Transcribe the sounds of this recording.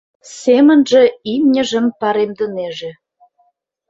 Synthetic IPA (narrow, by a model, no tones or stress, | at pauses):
semə̆nʒĕimnʲə̆ʒə̆mpɑɾemd̪ə̆neʒĕ